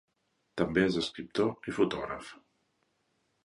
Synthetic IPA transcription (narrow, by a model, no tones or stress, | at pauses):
t̪əmbeezəskɾip̚t̪oifut̪ɔɣɾə̰f